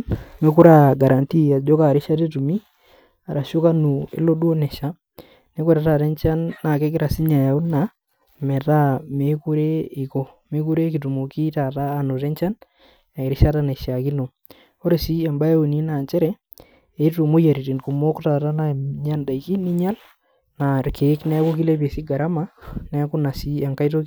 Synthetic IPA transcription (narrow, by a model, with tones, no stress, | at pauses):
me˦ku˦ɾa˦ɡa˨ɾa˨nti˦a˨d͡ʒo˦ka˨ɾi˦ʃa˦te˦tu˨mi˦ | a˨ɾa˨ʃo˦ka˦nu˨ḛ˦lo˦dwo˦ne˨ʃa˦ | ne˦kwɛ˦ɾa˦ta˨ɾe˦nt͡ʃa˦nːa˨ke˦kɪ˦ɾa˨si˦ɲa˨ja˨u˦na˨ | me˨ta˦me˨ku˦ɾe˦i˨ko˦ | me˨˦ku˦ɾe˦ki˨tu˨mo˨ki˦ta˨taː˦˨no˨ɾe˦nt͡ʃa˦n | a˨ɾi˦ʃa˦ta˦na˨i˨ʃa˨ki˦no˨ | o˦ɾe˨si˦a˨mba˦e˦o˨ni˦na˨nt͡ʃɛ˦ɾɛ˦ | e˨˦tu˨mo˦ja˨ɾi˨ti˨nku˨mo˦kta˨ta˦na˦˨ɲa˦nda˨i˨ki˦ni˦ɲa˦l | na˨rke˨˦knɛ˦ko˦k̬i˦le˦be˨si˦ɡa˨ɾa˦ma˦nɛ˦kʊ˦na˨si˦a˨ŋka˦jt̬o˦